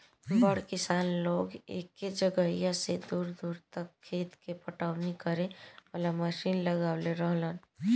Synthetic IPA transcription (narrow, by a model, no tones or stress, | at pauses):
bəɽkɪsaːnloːɡḛkːed͡ʒəɡəijãsed̪uːɾd̪uːɾt̪əkʰːeːt̪kepəʈaːwnikəɾẽəlaməʃinləɡaːʊleɾəɦlən